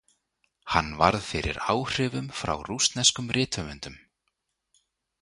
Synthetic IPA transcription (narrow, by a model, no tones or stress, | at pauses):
hanːva̰ɾðfɪɾɪ̰ɾaːwr̥ɪːvʏmfɾa̰wrust̪nɛskʏmrɪːt̪ʰœmʏnt̪ʏm